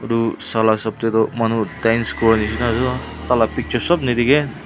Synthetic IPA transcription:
ɾusalasɔp̚t̪ed̪ɔmanutajnskɔɾnis̬inazɔ | t̪alapik̚t͡ʃʰɔsɔbnid̪iɡe

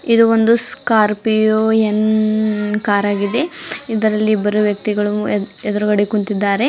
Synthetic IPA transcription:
id̪uond̪uskaːɾpioːen | kaːɾaːɡid̪e̞id̪ɐɾɐlːibɐɾuʋjɐk̚t̪iɡɐɭuɛd̪ɐɾuɡɐɽekuɳt̪id̪ːaːɾe̞

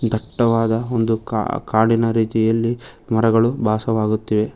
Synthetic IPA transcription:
d̪ʱɐʈːɐʋaːd̪ɐo̞nd̪ua̰kaːɽinɐɾiːt̪ijɐlːi | mɐɾɐɡɐɭubʱaːsɐʋaːɡut̪ːiʋe̞

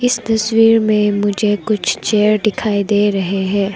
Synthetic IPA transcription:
ɪst̪ɐswiːɾmẽmʊd͡ʒʱekʊt͡ʃʰt͡ʃeːɾɖɪkʰaːid̪eːɾɐɦeɦɛ̃ː

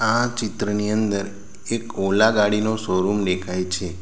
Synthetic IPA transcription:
at͡ʃɪt̪ɾəniənd̪əɾ | ekolaɡaɽinosoɾumɖekʰajt͡ʃʰe

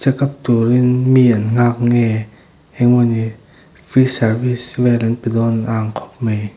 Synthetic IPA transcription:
t͡ɕakap̚t̪uɾinmiːʔanŋaːk̚ŋɛː | ɛŋmɔni | fʰɾiːsawiswɛːlanpadɔːnʔaːŋkʰɔ̥p̚maj

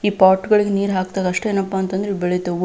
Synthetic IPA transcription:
iːpaːɾʈɡɐɭiɡeniːɾɦaːk̚t̪aːɡɐʂʈeːnɐpːaːnt̪ɐnd̪ɐɾeibɛɭejt̪ɐʋ

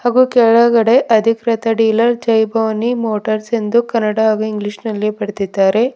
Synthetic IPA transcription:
haːɡuːkɛɭɐɡɐɽe̞ʔɐd̪ʱikɾɐt̪ɐɖiːlɐɾd͡ʒɐjbʱɐʋɐnimoːʈɐɾsend̪ukɐnːɐɽaaːɡuiŋɡliʂnɐlːipɐɽet̪id̪ːaːɾe̞

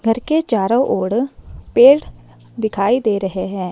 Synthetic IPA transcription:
ɡʱəɾket͡ʃaːɾoʔoːɽpeːɽ | d̪ɪkʰaːid̪eːɾəɦeɦɛ̃ː

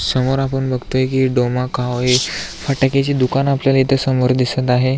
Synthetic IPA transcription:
səmoɾapəɳbəɡʱt̪ojekiːɖomakʰaʋɦefaʈaket͡ɕid̪ukanapljalait̪ʰəsəmoɾd̪isət̪aɦe

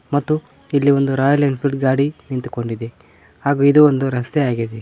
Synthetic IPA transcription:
mɐt̪ːu | ilːio̞nd̪uɾaːjɐlɐɳɖpʰilɖɡaːɽinint̪u̥ko̞ɳɖid̪e | haːɡuːid̪uond̪uɾɐst̪eaːɡid̪e

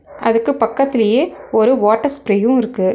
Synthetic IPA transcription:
ʔɐ̰ðɯkːɯpɐkːɐt̪ːɪlɐjeːɔɾɯʋaːʈːɐɾspɪɾɛjɯ̃ɪɾɯkːɯ

